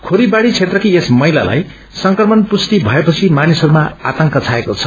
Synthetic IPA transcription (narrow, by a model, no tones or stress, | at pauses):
kʰoɾibaɽit͡sʰet̪rʌkiesmʌila̰la̰j | sʌŋkrʌmʌnpust̪ibʱʌepʌt͡sʰimanisʌɾumaa̰t̪ʌŋkʌt͡sʰaekot͡sʰʌ̥